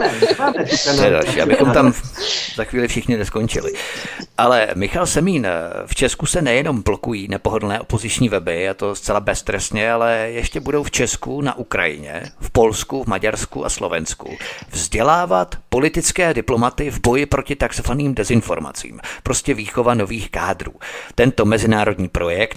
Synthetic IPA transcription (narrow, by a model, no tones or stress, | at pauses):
t̪t̪ojɛda̰lʃḭːʔa̰bɪxomt̪amzaxviːlɪfʃɪxɲɪnɛskont͡ʃɪ̰lɪ̰ʔalɛmɪxalsɛmiːnft͡ʃɛskusɛnɛjɛno̞mblokujiːnɛpo̞ɦodl̩nɛːʔopo̞zɪt͡ʃɲiːvɛbɪat̪o̞st͡sɛlabɛst̪ɾɛsɲɛalɛjɛʃcɛbudo̞wft͡ʃɛskuna̰ʔukɾa̰jɪ̰ɲɛ̰fpo̞lskuvmaɟaɾskṵʔa̰slo̞vɛnskṵvzɟɛlaːvat̪po̞lɪt̪ɪt͡skɛːdɪplo̞mat̪ɪvbo̞jɪpɾo̞cɪt̪aksofaniːmdɛzɪnfo̞̰ɾma̰t͡sḭːmpɾo̞scɛviːxo̞vano̞viːxkaːdɾṵːt̪ɛnt̪o̞mɛzɪnaːɾo̞dɲiːpɾo̞jɛkt̪̚